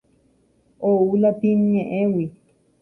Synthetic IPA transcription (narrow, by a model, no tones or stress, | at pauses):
oulapiɲɲẽʔẽwi